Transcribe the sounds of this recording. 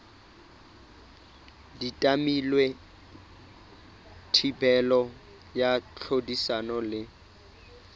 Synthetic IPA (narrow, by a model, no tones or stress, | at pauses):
ditʼamilwe | tʰibɛlɔ | jat͡ɬʰodisanɔlɪ